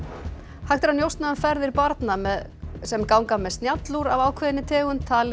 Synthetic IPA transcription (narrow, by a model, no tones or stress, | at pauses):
hajht̪ɪɾhanjowst̪naðʏnfɛɾðɪɾpaɾt̪namɛð | sɛmkaːwŋkamɛðst̪njat̪luɾavaːwkʰvɛːðɪnɪt̪ʰɛːɣʏmt̪ʰaːl